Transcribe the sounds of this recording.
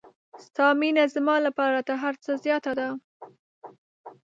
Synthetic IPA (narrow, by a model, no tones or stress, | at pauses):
st̪ɑminazmɑlapɑɾat̪aɦaɾt͡səzjɑt̪ad̪a